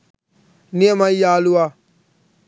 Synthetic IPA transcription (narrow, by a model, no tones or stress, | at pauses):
nĩɛ̃mãijalua